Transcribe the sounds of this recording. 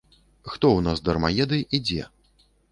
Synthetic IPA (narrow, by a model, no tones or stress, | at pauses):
xt̪ɔwnasd̪ɐrmajɛd̪ɨjid͡zʲɛ